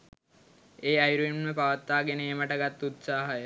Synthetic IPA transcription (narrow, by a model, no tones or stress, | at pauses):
eːajɾuinməpaʋət̪ːaːɡenəeməʈəɡat̪ːut̪saːɦəjə